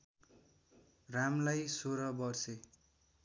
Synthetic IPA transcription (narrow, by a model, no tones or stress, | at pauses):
ramlajsoɾʌbʌrse